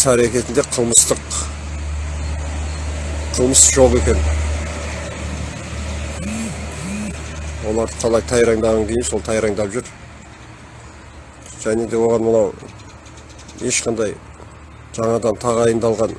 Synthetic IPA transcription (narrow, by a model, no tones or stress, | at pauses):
sæɾekʲe̞t̪ɪnd̪e̞qʰəlˠməst̪əq | qʰəlˠməsʒo̞ʁe̞kʲe̞n | wo̞lˠɑɾd̪əqʰɑlˠɑjt̪ʰɑjɾɑŋd̪ɑʁɑŋkʲʰe̞jɪnso̞lˠt̪ʰɑjɾɑŋd̪ɑpʒʏɾ | ʒ̥æne̞d̪e̞wo̞ʁɑnwolˠɑw | e̞ʃqʰɑnd̪ɑj | ʒ̥ɑɴɑd̪ɑnt̪ʰɑʁɑjənd̪ɑlˠʁɑn